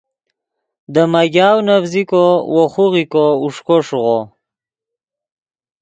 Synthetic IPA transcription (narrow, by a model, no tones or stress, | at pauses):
d̪əmaɡɑːwnafzikowoχuɣikouʂkoʂuʁo